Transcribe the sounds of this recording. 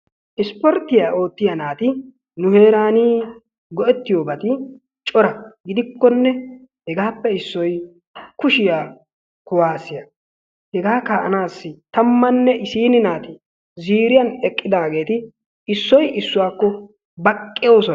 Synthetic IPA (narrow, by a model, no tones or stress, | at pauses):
ʔɪspɔɾt̪ːɪjaːʔo̞ːt̪ːɪjɐnaːt̪ɪ | nʊhe̞ːɾaːniː | ɡɔʔɛt̪ːɪjoːbɐt̪ɪ | t͡ʃʼɔɾɐɡɪd̪ɪkːɔnːɛhɛɡaːpːɛɪsːɔj | kʊʃɪjaː | kʊwaːsɪjɐ | hɛɡaːkaʔɐ̰naːsːɪt̪ɐmːɐnːɛʔɪsiːnɪnaːt̪ɪ | ziːɾɪjɐnɛkʼːɪd̪aːɡe̞ːt̪ɪ | ɪsːɔjɪsːʊwaːkːɔ | bɐkʼːɪjo̞ːsɔ